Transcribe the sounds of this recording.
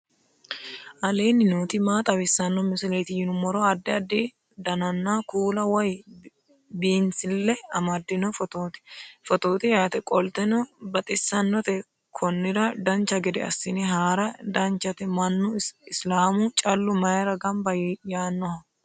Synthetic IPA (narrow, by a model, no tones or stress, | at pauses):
ʔɐleːnːɪnoːt̪ɪmaːt̪ʼɐwɪsːɐnːɔmɪsɪleːt̪ɪjɪnʊmɔɾɔɐd̪ːɛɐd̪ːi | d̪ɐnɐnːakuːlɐwɔj | biːnsɪlːɛɐmɐd̪ːɪnɔfɔt̪oːt̪ɪ̥fɔt̪oːt̪ɪjɐt̪ɛkʼɔlt̪ɛnɔbɐt̪ʼɪsːɐnːɔt̪ɛ | kʰɔnːɪɾɐd̪ɐnt͡ʃːɐɡɛd̪ɛɐ̰sːɪnɛɦaːɾɐd̪ɐnt͡ʃːɐt̪ɛmɐnːʊɪslaːmʊt͡ʃʼɐlːʊmɐjɾɐɡɐmbɐjaːnːɔhɐ